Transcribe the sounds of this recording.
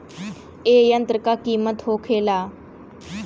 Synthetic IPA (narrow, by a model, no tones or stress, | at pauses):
eːjənt̪ɾəkakiːmət̪ɦoːkʰeːlaː